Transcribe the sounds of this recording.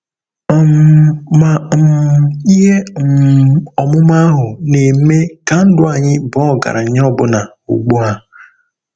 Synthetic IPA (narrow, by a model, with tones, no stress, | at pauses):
mma˨mi˦ɦe˦ | ɔ˨mʊ˦ma˦ɦʊ˨ne˨m̩˦me˦ka˨n̩˦dʊ˦a˨ɲɪ˦bɔ˦˨ɡa̰˨ɾa˨ɲ˦ɔ˦bʊ˦na˨ | ṵ˨ɡ͡bu˦a˨